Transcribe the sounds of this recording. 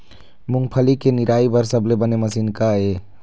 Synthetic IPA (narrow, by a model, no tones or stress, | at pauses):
mʊŋɡpʰəlikenɪɾaːibəɾsəblebəneməsinkaeː